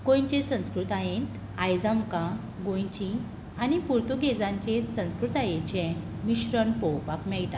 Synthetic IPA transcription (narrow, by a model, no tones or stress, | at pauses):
kõjɲt͡ɕẽsə̃w̃skɾut̪ãjẽt̪ | ajd͡zamkã | ɡõjt͡ɕĩ | anipuɾt̪uɡed͡zãɲt͡ɕesə̃w̃skɾut̪ajet͡ɕɛ̃ | miɕɾəɳpɔwpakmɛɭʈa